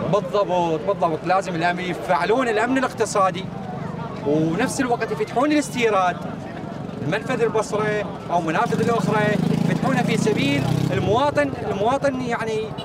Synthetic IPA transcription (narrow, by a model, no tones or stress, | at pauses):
bɨðˤːɑbt̪̚ˤbɨðˤːɑbt̪ˤlaːzɪmɪlʔamjɪfaʕluːnɪlʔamnɪlɪqt̪ɨsˤɑːd̪i | wnafsɪlwaqt̪jɪfat̪ːħuːnɪlɪst̪iːɾˤɑːt̪ | ɪlmanfaðɪlbɑsˤɾˤɑ | ʔawlmʊnaːfɪðɪlʔʊxɾˤɑjfat̪ħuːnafisabiːlɪlmʊwɑːt̪ˤɨnɪlmʊwɑːt̪ˤɨnjaʕni